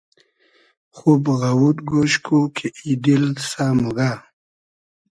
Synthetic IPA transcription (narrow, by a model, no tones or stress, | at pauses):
χubɣawut̪̚ɡoʃkʰukʰeʔid̪ilsamuɡa